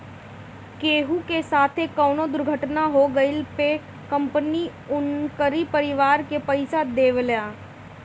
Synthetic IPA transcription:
keːɦukesaːt̪ʰekːɔːnod̪ʊɾɡʱəʈnaɦoɡɐɪlpeː | kɐ̃mpəni | ʊnkəɾipəɾɪʋaːɾkepɐɪsad̪eːʋljaː

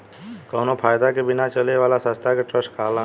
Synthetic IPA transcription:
kɔʊnopʰaːjd̪akebɪnat͡ʃəleʋaːlasə̃st̪ʰakeʈɾəsʈkalã

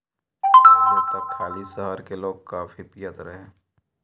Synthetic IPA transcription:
t̪okʰːaːlisəɦəɾkeloːɡ̚kaːfʰipijət̪ɾəɦẽː

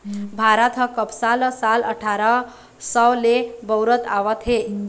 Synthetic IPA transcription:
bʱaɾət̪ʰɦəkəpsalsalə̰ʈʰaɾa | səwlebəwɾət̪aʋət̪ɦe

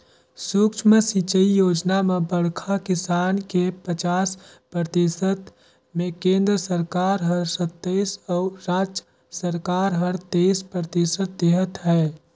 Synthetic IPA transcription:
sukt͡ʃʰməsit͡ʃəijoːd͡ʒnamebəɽkʰakɪsaːnkepət͡ʃaːs | pɾət̪isət̪ | mẽkẽːnd̪ɾəsəɾkaːɾɦəɾsət̪ːəɪsɔːɾaːd͡ʒə | səɾkaːɾɦəɾt̪espɾət̪isət̪̚d̪eɦət̪ɦɛː

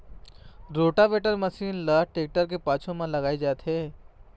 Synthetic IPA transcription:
ɾoːʈabeːʈəɾməsiːnlaʈeːk̚ʈəɾk̬epaːt͡ʃʰõmãlɐɡaːid͡ʒaːt̪ɦeː

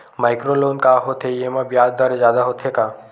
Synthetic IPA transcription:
maːɪkɾoloːnkaɦot̪ʰeemãbijaːd̪d̪əɾzjaːd̪aɦot̪ʰekaː

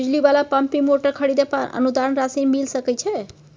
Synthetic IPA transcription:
id͡ʒlibalapəmpimoʈəɾkʰəɽid̪epanə̰nud̪aɾənɾasinmilsəkəjt͡ʃʰe

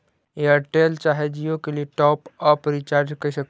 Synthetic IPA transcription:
jeɐʈeːlt͡ʃaːɦed͡ʒijõkelieʈɔːpɔːpɾit͡ʃaːɾd͡ʒkɐiʃɐk̪̚

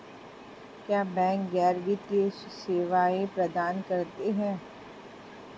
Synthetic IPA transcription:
kjaːbɛ̃ːŋk̚ɡɛːɾɡit̪keseːʋaːepɾɐd̪aːnkɐɾt̪eɦɛ̃ː

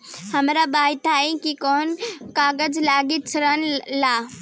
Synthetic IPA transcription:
hɐmɾabaːɪt̪aːĩkikɔːnkaːɡəd͡ʑlaːɡit͡ʃʰɐɾənɪlaː

